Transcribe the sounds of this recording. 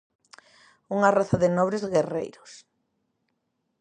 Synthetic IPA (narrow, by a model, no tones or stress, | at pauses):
uŋaraθaðɪnɔβɾezɣerḛjɾos